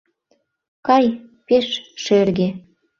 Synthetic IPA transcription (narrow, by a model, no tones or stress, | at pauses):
kɑjpeʃʃerɣe